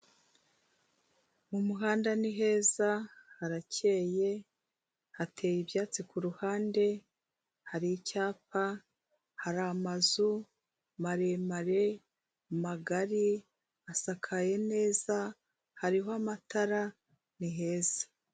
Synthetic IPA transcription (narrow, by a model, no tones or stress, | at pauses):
mumuɦaːndaniɦe̞ːzahaɾacʰe̞ːje̞ | hatʰe̞ːjibjaːt͡sikuɾuhaːnde̞ | haɾicaːpa | haɾamazu | maɾemaɾe̞ | maɡaɾi | asakʰaje̞ne̞ːza | haɾiɦoamataɾa | niɦe̞ːz̥ḁ